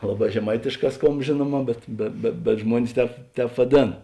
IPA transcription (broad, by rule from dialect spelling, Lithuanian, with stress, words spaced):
ˈlˠɑːˌbɑː ʒʲɛˈmɐɪtʲeːʃˌkɑː ˈskoːmp ˈʒʲeːnuɔˌmɑː bʲɛt bʲɛ bʲɛ bʲɛt ˈʒmuɔnʲɪs ˈtʲɛːp ˈtʲɛːp ʋɐˈdʲeːn